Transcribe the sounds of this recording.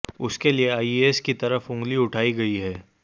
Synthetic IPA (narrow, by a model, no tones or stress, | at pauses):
ʊskelieaːiieːskit̪ɐɾəfʊ̃ːŋɡliʊʈʰaːiɡɐiɦɛː